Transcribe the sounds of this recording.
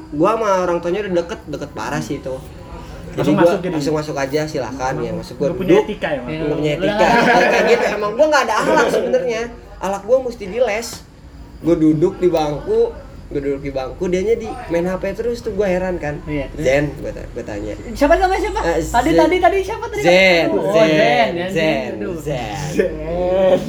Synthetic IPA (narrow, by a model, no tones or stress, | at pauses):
ɡuamaoɾaŋt̪oɲadadəkət̪̚dəkət̪̚ba̰ɾasit̪u | d͡ʒadiɡuaasʊk̚masʊkad͡ʒasila̰kanjaŋmasʊk̚ɡuaduɲdʊkt̪ikaənəpuɲajaikaalkanɡit̪uemaŋɡuaŋɡaːdaːlaksəbənərɲa | ʔa̰lak̚ɡuamust̪idilɛs | ɡuadudʊk̚dibaŋku | ɡuadudʊk̚dibaŋkudiaɲadimanhapet̪əɾʊst̪uɡuaɦeɾankanzɛnɡuaa̰bət̪a̰ɲa̰ʃapat̪ɡamasapaadiadit̪adiʃapat̪̚ːaizɛnzɛnzɛnzɛ | n